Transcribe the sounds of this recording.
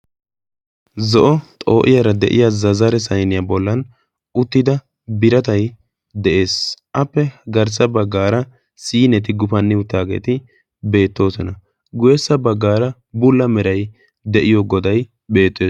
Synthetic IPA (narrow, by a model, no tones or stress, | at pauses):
zɔʔɔt̪ʼo̞ːʔɪjɐɾɐd̪ɛ̰ʔɪ̰jazɐzɐɾɛsɐjnɪjɐbɔlːɐn | ʔʊt̪ːɪd̪ɐ | bɪɾɐt̪ɐj | d̪ɛʔe̞ːsʔɐpːɛɡɐɾs̬ɐbɐɡːaːɾɐ | siːnɛt̪ɪɡʊfɐnːɪʊt̪ːaːɡe̞̰ːt̪ɪ | be̞ːt̪ːo̞ːsɔnɐ | ɡʊjɛsːɐbɐɡːaːɾɐ | bʊlːɐmɛɾɐj | d̪ɛʔɪjoɡɔd̪ɐj | be̞ːt̪ːeː